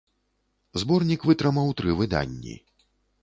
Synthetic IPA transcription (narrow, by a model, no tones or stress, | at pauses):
zbɔrnʲikvɨt̪ɾɨmawt̪ɾɨvɨd̪a̰nʲːḭ